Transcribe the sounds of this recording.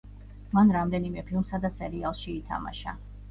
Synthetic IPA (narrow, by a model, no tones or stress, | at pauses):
manɾamd̪ɛnimɛpʰilˠmsad̪asɛɾialˠʃiːt̪ʰa̰ma̰ʃa̰